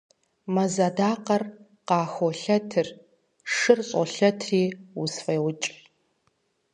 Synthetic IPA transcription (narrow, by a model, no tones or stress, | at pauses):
mɐzadaːqɐr | qɑːxoɬɐtʰɨr | ʂɨrɕʼɔ̰ɬɐtʰriːusfejwʊt͡ʃʼ